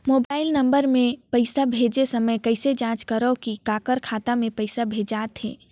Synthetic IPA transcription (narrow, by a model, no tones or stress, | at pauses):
moːbaːɪlnɐ̃mbəɾmẽpəɪsabʱeːd͡ʒesɐməjkəɪsed͡ʒãːt͡ʃkəɾəkikaːkəɾkʰaːt̪amẽpəɪsabʱeːd͡ʒaːt̪ɦḛ̃ː